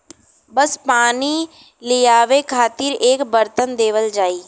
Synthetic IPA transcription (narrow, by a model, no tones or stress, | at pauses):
bəspaːni | lɪjaːʋekʰaːt̪ɪɾeːkbəɾt̪ənd̪eːʋəld͡ʒaːiː